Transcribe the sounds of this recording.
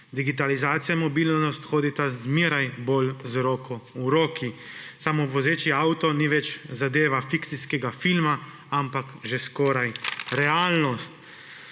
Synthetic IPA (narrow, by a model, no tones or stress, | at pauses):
d̪iɡit̪̬alizaːt̪sijamɔbiːlnnɔst̪xoːd̪it̪azmiːɾajbolzɾoːkɔuɾoːkisamɔʋɔzeːt͡ʃiawt̪ɔniʋɛt͡ʃzad̪eːʋafikt̪siskɛɡafilma | ampakʒeskoːɾajɾɛaːlnɔst̪